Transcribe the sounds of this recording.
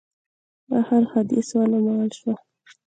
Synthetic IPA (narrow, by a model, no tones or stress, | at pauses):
ahaɾxad̪iswɑlamawalʃwa